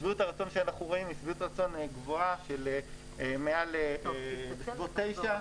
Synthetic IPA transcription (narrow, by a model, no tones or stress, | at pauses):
sbitaʁat͡so̞nʃeanaχnuʁoimisbiɣut̪aʁat͡so̞neɡvo̞aʃele | mealebesvot̪ːe̞jʃa